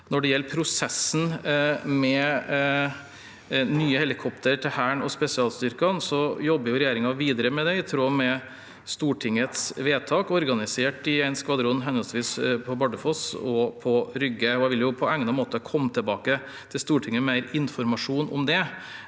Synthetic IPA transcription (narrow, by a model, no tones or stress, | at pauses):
nɔɖɛjɛlːpʰɾʊsɛsn̩mɛ | nyːəhɛlɪkʰɔpt̪ʰəɾʈʰɪlhæːɳɔspɛsɪɑːlst̪ʏɾkɑnsɔjɔbːəɾjʊɾɛjeːɾɪŋɑʋiːd̪əɾəmɛd̪ɛɪt̪ʰɾoːmɛ | st̪uːʈʰɪŋət̪sʋeːt̪ʰɑːkɔɾɡɑnɪseːʈɪɛɪnskʋɑd̪ɾʊnːɦɛnəlsʋiːspʰɔbɑɖəfɔsɔpʰɔɾʏɡːəɔɛɪʋɪljʊpʰɔæŋnɑmoːt̪əkʰɔmːt̪ʰɪlbɑːkə | t̪ʰɪlst̪uːʈʰɪŋːəmæɪɾɪnfɔɾmɑʂuːnʔɔ̰md̪ɛ